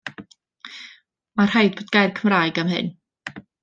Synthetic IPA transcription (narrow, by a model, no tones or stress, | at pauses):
mar̥ajd̚boːdɡ̥ajrkʰəmraːjɡamhɨ̰n